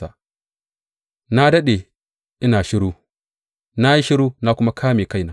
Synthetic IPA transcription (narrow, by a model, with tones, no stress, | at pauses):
a̰˨ | na˦dɐ˦ɗe˨ | ʔɪ˦naː˨ʃɪ˦ɽu˦ | na˦ji˦ʃɪ˦ɾuː˦na˦kʷʊ˦ma˦kʰaː˦meː˨ka˦˨jna˦